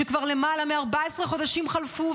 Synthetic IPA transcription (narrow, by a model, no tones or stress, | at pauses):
ekvaʁle̞malameaʁbaesʁeχo̞d̪aʃimχalfu